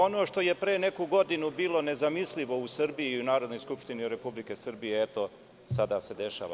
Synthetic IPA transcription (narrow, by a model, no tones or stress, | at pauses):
o̞no̞ːʃt̪o̞je̞pɾe̞ːne̞kuɡo̞d̪inubiːlˠo̞ne̞zamisliʋo̞usr̩biiunaːɾo̞d̪no̞jskupʃt̪iniuɾe̞publike̞sr̩bijeet̪o | sad̪ase̞d̪e̞ʃa̰ʋa̰